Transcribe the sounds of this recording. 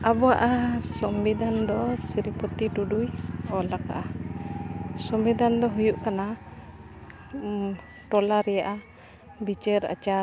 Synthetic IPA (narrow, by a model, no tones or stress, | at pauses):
abɔaʔasɔmbid̪ʱand̪ɔsiɾipɔt̪iʈuɖujɔlaka̰ʔa | sɔmbid̪ʱand̪ɔɦujuʔkana | ʈɔlaɾɛjaʔa | bit͡ʃɛɾa̰t͡ʃa